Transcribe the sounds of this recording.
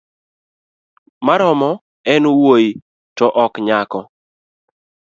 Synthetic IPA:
maɾɔmɔ | ɛnuwoji | tɔʔɔkɲakɔ

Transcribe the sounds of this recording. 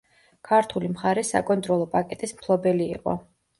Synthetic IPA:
kʰaɾt̪ʰulimχaɾɛsa̰kʼɔnt̪ʼɾɔlˠɔpʼakʼɛt̪ʼismkʰlˠɔbɛlḭːqʼɔ̰

